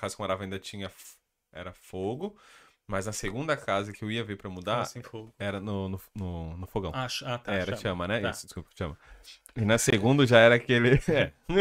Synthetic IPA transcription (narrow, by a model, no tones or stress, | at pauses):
kazɐkõɾavɐĩd̪ɐt͡ʃĩɲɐ | ɛ̰ɾɐfoɡʊ | mɐznɐseɡũnd̪ɐkazɐkɪewiɐveɾpɾɐmud̪aɾsĩfoɡʊɛɾɐnʊnʊnʊnʊfoɡɐ̃w̃ʃat̪aɛɛɾɐt͡ʃiɐ̃mɐnɛisʊd͡ʒɪskupɾt͡ʃɐ̃mɐ | ɪnɐseɡũnd̪ʊʒaɛɾɐːkelɪɛ